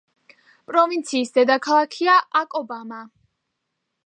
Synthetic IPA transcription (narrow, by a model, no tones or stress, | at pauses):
pʼɾɔvint̪sʰiːsd̪ɛd̪akʰalˠakʰiaʔakʼɔbama